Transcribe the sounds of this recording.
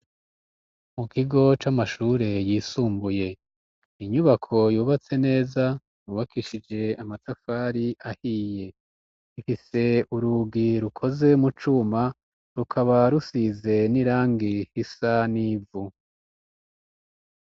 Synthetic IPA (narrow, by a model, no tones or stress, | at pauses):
mukiɡo̞t͡ʃamaʃuːɾe̞jiːsuːmbuje̞ | iɲuβakʰo̞juːβat͡se̞ne̞ːza | juːβakʰiʃid͡ʒe̞amatafaːɾiʔahiːje̞ | ifise̞uɾuɡiɾukʰo̞ze̞mut͡ʃuma | ɾukʰaβaɾusize̞niɾaːŋɡihisaniːvu